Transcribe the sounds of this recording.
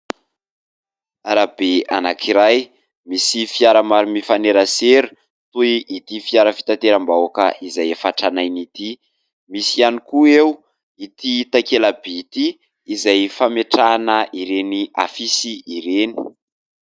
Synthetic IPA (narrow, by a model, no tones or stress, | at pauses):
aɾabea̰nakʰiɾaj | misifiaɾəmaɾimifaneɾəseɾu̥ | t̪uiʔːt̪ifiaɾəfi̥t̪at̪eɾambawakə̰izajefaʈ͡ʂanajnit̪i | misianikuew | it̪it̪akelabeit̪iː | zajfameʈ͡ʂanəʔiɾenia̰fisiːɾeni̥